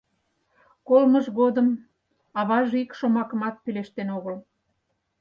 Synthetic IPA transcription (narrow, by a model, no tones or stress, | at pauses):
kolməʒɣod̪əm | ɑβɑʒikʃomɑkəmɑt̪̚pileʃt̪enoɣəl